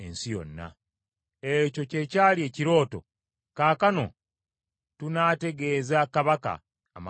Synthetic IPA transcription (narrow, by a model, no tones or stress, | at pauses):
ḛnsijo̞̰nːa̰ | eco̞ce̞caːlie̞ːciɾo̞ːto̞̰ | kaːkano̞ | tunaːte̞ɡe̞ːzakaβaka̰ː | ma